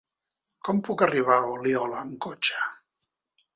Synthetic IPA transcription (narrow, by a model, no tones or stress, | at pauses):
kɔmpukariβ̞aoliɔlaːŋkot͡ʃḁ